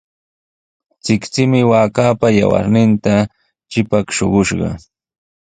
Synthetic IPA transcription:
t͡sɪkt͡sɪmɪwaːkaːpaja̰wa̰ɾnɪnt̪a | t͡ʃɪpakʃoɢʊʃɢɑ̰

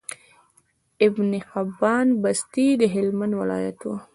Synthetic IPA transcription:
ɪbniqabːɑnbast̪id̪əɦɪlmand̪wɪlɑ̰ja̰t̪wu

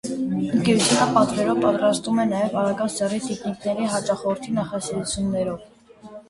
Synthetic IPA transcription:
ənkɛɾut̪ʰjunəpɑt̪vɛɾɔvpɑt̪ɾɑst̪vumɛnɑjɛvɑɾɑɡɑsɛrit̪iχniknɛɾiɦɑt͡ʃɑχɔəɾt̪ʰinɑχɑsiɾut͡sʰjunːɛɾɔv

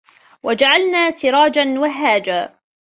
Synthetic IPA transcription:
wad͡ʒaʕalnaːsɪɾˤɑːd͡ʒanwaɦaːd͡ʒaː

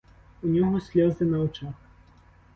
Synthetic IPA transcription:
unʲɔɦɔsʲlʲɔzɨnɐwt͡ʃax

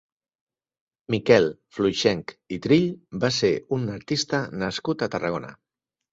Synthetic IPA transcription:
mikɛlˠflujʃɛŋkit̪ɾiʎbaseunəɾt̪ist̪ənəskut̪ət̪ərəɣ̞onə̰

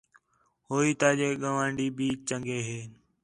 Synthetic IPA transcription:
hoːiːt̪aːd͡ʒeːɠəʋãːɳɖiːɓiːt͡ʃt͡ʃəŋɡeːɦeː

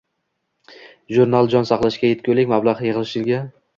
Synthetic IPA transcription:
ʒuɾnalˠd͡ʒɒnsɑqlˠaʃkʲajet̪̚kʲolɪkʲmablˠaʁjɨʁɨlˠɪʃɪlɡʲa

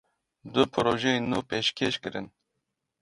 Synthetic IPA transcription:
d̪ʊpʰɨɾoːʒɛnuːpeʃkʲʰeʃkɨɾɨn

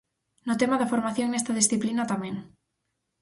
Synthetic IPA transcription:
nʊt̪emaðɐfoɾmaθjoŋnest̪ɐð̞isθiplinat̪amẽŋ

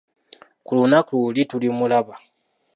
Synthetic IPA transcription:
kulunakuulitulimulaβa

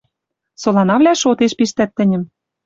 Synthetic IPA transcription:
solɑnɑvlʲæʃot̪eʃpiʃt̪æt̪ːɘ̆nʲɘ̆m

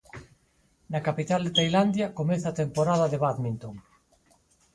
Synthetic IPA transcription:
nakapit̪ald̪et̪ajland̪jakomeθaːt̪empoɾaðaðeβaðmĩnt̪oŋ

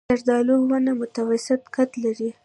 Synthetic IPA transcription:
aɾd̪ɑloɡwanamʊt̪awasɪt̪kat̪laɾi

